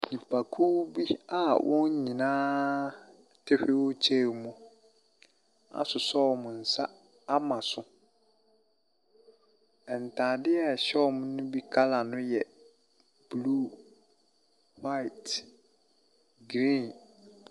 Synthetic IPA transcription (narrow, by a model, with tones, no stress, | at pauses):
ɲĩ˨pʰa˨kʰu˦bi˦a˨wʔɔ̃˦ɲ˦ɲĩ˨nãː˦ | tʰɪ˦hᶣɪ˦wʊ˦t͡ɕʰe˦˨mʊ̃˦ | a̰˨sʊ˨sɔ˦˨mʊ̃˨n̩˨sa˦ | a˦mã˨sʊ˦ | ɛ˨n˨tʰãː˨dɪ˦ɛ˦˨ɕɛ˦˨mʊ̃˦nʊ̃˦bi˦kʰa˦la˨nʊ̃˦jɛ˨ | b̥lu˦ | wa˦ɪ˨t | ɡɾĩ˦˨n